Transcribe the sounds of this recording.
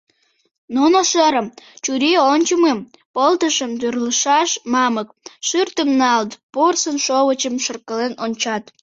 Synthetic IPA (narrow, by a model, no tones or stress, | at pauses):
nonoʃəɾəmt͡ɕuɾeonʲt͡ɕəmem | pəlt̪əʃəmt̪ørləʃɑʃmɑmək̚ʃyrt̪əmnɑlt̪porsənʃoβət͡ɕəmʃərkəlenonʲt͡ɕɑt̪